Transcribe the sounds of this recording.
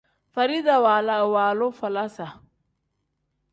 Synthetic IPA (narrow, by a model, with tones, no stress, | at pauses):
fɐ˨ɾi˦ða˨wa˨la˦˨waː˨lɔ˦fɐ˨la˦sa˨